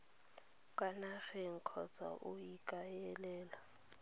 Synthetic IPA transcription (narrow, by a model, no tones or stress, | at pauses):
kʼwanaxɛŋ̩kʰɔt͡sʰa̰ʔujikʼajɛlɛːla